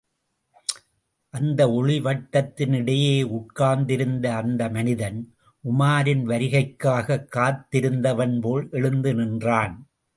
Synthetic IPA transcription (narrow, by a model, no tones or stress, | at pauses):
ʔɐnd̪ɐɔɻɪʋɐʈːɐt̪ːɪnɪɽɐjeːʊʈ̚kaːnd̪ɪɾɯnd̪ɐːnd̪ɐmɐnɪðɐn | ʔʊmaːɾɪnʋɐɾɪɣɐɪkːaːɣɐkːaːɾt̪ːɪɾɯnd̪ɐʋɐnpoːɭʔɛɻɯnd̪ɯnɪndraːn